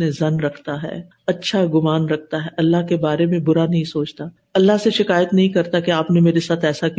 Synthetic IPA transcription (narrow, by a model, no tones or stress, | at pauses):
nẽzɐnɾɐkʰt̪aɦɛ̰ː | ɐtːʃʰaɡʊmaːnɾɐk̚ʰt̪aɦɛʔɐlːaɦkebaːɾemẽbʊɾanɐɦĩsoːt͡ʃt̪aː | ɐlːaɦseʃɪkaːjət̪nɐɦĩkɐɾt̪akeaːpnemeːɾesaːt̪ʰɛːsak